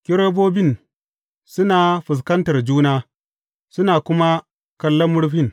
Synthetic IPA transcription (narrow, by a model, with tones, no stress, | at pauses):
kʲɪ˦ɾo˦boː˦bɪ˦˨n | sʊ˦na˨ɸɪ˨s̬kɐ˦ntɐ˨rd͡ʒuː˦naː˦ | sʊ˦naː˨kʷʊ˦ma˦ | kɐ˦lːɐ˦mːʊ˦ɽɸɪ˦n